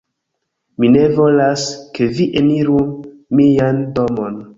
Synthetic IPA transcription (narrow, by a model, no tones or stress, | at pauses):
mine̞vo̞laskeviʔeniɾu | miando̞mo̞n